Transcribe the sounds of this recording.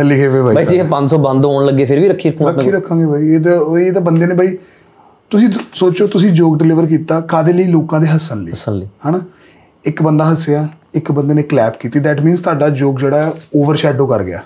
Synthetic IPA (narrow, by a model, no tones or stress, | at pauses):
ɦɛliːɦeːʋeːbʱaːiid͡ʒɪpə̃ɲd͡ʒsɔːbə̃nd̪ɦoːɳləɡːeːpʰɪɾʋiːɾəkʰːiːɾəkʰːɾəkʰːiːɾəkʰːãːɡeːbʱaːiːd̪eːd̪aːbənd̪eːneːbaːiː | t̪ʊsĩːsoːt͡ʃoːt̪ʊsĩːd͡ʒoːɡɖɪlɪʋəɾk̬iːt̪aːkaːd̪eːləiːloːkãːd̪eːɦəsənlḭsənlːɦɛːnaː | ɪkbənd̪aːɦəsːejaː | ɪkbənd̪eːneːklɛːpkiːt̪iːd̪ɛːʈmĩːnzt̪oaːɖaːd͡ʒoːɡd͡ʒeːɽaːɛːoːʋəɾʃɛːɖoːkəɾɡɪja̰ː